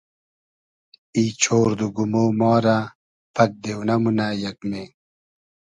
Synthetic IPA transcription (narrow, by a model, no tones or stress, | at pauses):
iːt͡ɕʰoːɾd̪uɡumoːmɑːɾa | pʰɐk̚d̪ewnɐmunajɐkme